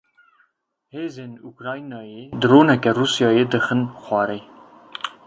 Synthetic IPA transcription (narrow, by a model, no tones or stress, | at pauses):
heːzeːnukɾɑːinɑːjeːd̪ɨroːnɛkɛruːsjɑːjeːd̪ɨxɨnxʷɑːɾej